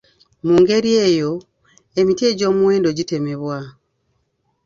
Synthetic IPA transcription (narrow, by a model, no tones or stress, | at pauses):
muːŋɡe̞ɾie̞ːjo̞ | e̞mitje̞ɟo̞ːmuweːndo̞ɟite̞me̞βwa